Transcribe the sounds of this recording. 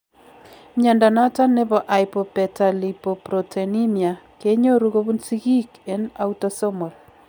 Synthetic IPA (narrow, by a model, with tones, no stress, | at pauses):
ɲa˨nda˨na˦ta˦ne˦bɔ˨ʔa˨jpɔ˨pɛ˨ta˨li˨po˨pɾɔ˨tʰe˨ni˦mja˨ke˦ɲo˦ɾu˦ɣo˦βu˦nsi˦ɣi˦ke˦na˦u˦tɔ˦sɔ˦mɔ˨l